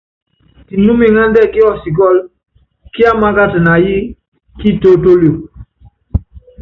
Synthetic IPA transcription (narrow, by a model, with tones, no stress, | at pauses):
ti˨nu˦mi˨ŋa˦ndɛ˦˨ki˦ɔ˦˨si˨k̬ɔ˦l | ki˦a˦ma˦ɡa˦tɨ˨na˨ji˦ | ki˦to˦to˦lo˨